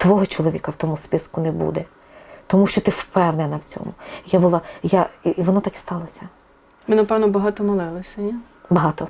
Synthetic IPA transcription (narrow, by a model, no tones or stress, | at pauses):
t̪ʋɔɦɔt͡ʃɔlˠɔʋʲḭkɐwt̪ɔmʊspɪskʊnɛbṵd̪ɛ | t̪ɔmuʃt͡ʃɔt̪ɪfpɛwnɛnɐwt͡sʲɔ̰mʊijabʊlˠɑjaiiʋɔnɔt̪ɑkɪ̥st̪ɑlˠɐsʲɐ | mɪnɐpɛwnɔbɐɦɑt̪ɔmɐlˠɪlˠɔsʲɐja | bɐɦɑt̪ɔ